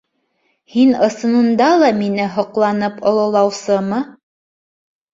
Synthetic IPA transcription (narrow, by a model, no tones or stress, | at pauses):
hinɤ̆sɤ̆nɤ̆nd̪ɑlˠɑminɘɦŏqlˠɑnɤpŏlˠɤ̆lˠɑwsɤmɤ